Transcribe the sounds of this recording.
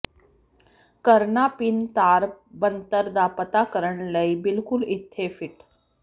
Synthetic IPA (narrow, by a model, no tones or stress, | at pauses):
kəɾɳapint̪aɾbənt̪əɾd̪apət̪akəɾəɳləibilkulit̪ʰːefiʈ